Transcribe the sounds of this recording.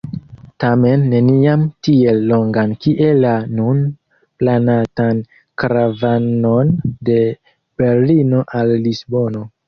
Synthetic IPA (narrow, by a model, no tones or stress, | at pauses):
tame̞nːe̞niamtie̞lːo̞ŋɡankiʔe̞lːanun | planatan | kɾavano̞nde̞ | b̥e̞ɾlino̞ʔalːisbo̞no̞